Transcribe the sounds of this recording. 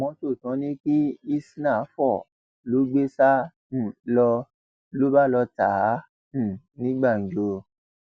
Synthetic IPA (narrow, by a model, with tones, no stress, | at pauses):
mɔ̃˧to˦˨tɔ̃˨˧˦nĩ˦k͡pi˦i˦sna˦˨˦fɔ˦˨ | lo˨˦ɡ͡be˦sã˦˨ | lɔ˧ | lo˦ba˦˨lɔ˧tã˨˦˨ | nĩ˦ɡ͡ba˦˨n̩˨d͡ʒo˧